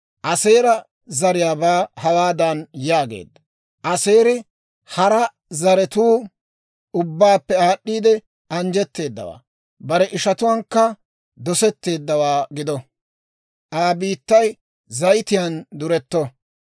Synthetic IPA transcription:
ʔɐse̞ːɾɐ | zɐɾɪjaːbaːhɐwaːd̪ɐnjaːɡḛːd̪ːɐ̥ | ʔɐse̞ːɾɪ | hɐɾɐ | zɐɾɛt̪uː | ʊbːaːpːɛaːɗːiːd̪ɛ | ɐnd͡ʒɛt̪ːe̞ːd̪ːɐ̰wa̰ː | bɐɾɛʔɪʃɐt̪ʊwɐŋkːɐ | d̪ɔsɛt̪ːe̞ːd̪ːɐwaːɡɪd̪ɔ | ʔaːbiːt̪ːɐj | zɐjt̪ɪjand̪ʊɾɛt̪ːɔ

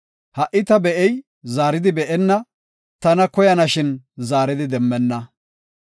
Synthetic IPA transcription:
hɐʔɪt̪ɐbɛʔɛj | zaːɾɪd̪ɪbɛʔɛnːɐ | t̪ɐnɐkɔjɐnɐʃɪnzaːɾɪd̪ɪd̪ɛmːɛnːɐ

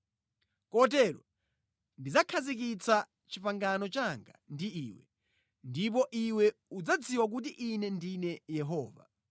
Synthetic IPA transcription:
kɔt̬ɛɾɔ̰ | ndid͡zakʰazik̬it͡sa | t͡ʃipaŋɡanɔt͡ʃaŋɡa̰ndiiːwɛ̰ | ndip̬ɔʔiwɛud͡zad͡ziwak̬ut̬iʔinɛndinɛjɛɦɔːva̰

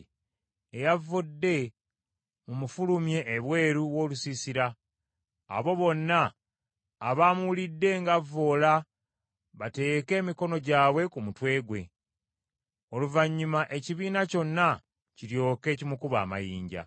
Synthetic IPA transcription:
ejavːodːe̞ | mumufulumje̞ːβwe̞ːɾuwo̞ːlusisiɾa̰ː | βo̞βo̞nːaː | βaːmuwulidːe̞ŋɡavːo̞ːla | βate̞ːke̞ːmiko̞no̞ɟaːβwe̞kumutwe̞ːɡwe̞̰ | o̞luvaɲːumaʔe̞ciβiːnaco̞nːa | ciɾjo̞ːke̞ːcimukuβa̰ːma̰jiːɲɟa̰

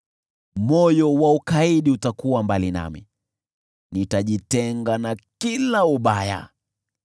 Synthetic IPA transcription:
mɔjɔwaukaiɗiutakuwambalina̰mḭ | nitaʄitɛŋɡanakilauɓaja̰

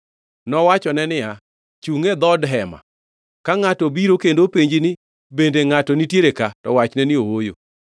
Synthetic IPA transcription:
nɔwat͡ʃɔnɛnɪa | t͡ʃuŋɛd̪ɔdɦɛma̰ | kaŋatɔbiɾokendopeɲd͡ʒinɪ | bendeŋatɔnitjeɾekatɔwat͡ʃnɛnɪowojo̰

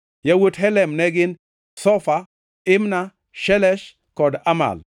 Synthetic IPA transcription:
jawotɦɛlɛmnɛɡɪn | sɔfa | ɪmna | ʃɛlɛʃ | kɔdama̰l

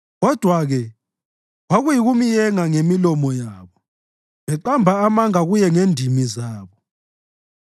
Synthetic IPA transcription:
ɣɔd̥ʱwaɣɛ | ɣaɣujiɣumijɛŋaŋemilɔmɔjaːβɔ | βɛǃambʱaːmaŋaɣujɛŋendʱimizaːβɔ

